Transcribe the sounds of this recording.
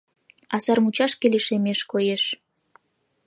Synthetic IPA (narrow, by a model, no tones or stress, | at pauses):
ɑsɑrmut͡ɕɑʃkeleʃemeʃkojeʃ